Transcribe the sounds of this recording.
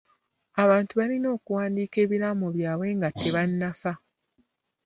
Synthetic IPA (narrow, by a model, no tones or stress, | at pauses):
aβaːntuβaɾino̞ːkuwaːndiːke̞ːβiɾamoβjaːβwe̞ːŋɡatʰːe̞βanːafa